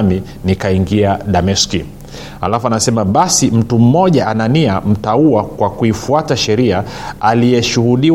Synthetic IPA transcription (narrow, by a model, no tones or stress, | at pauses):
mi | nikaiŋɡiaɗamɛski | ha̰lafuanasɛmaɓasim̩tum̩mɔʄaʔananiam̩tauakwakuifuataʃɛɾiaalijɛʃuhuɗi